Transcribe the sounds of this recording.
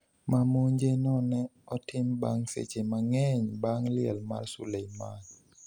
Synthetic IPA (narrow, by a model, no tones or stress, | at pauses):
mamoɲd͡ʒenɔnɛɔtɪmbaŋsḛt͡ʃemaŋɛɲbaŋlɪɛ̰lma̰rsṵlejmaɲ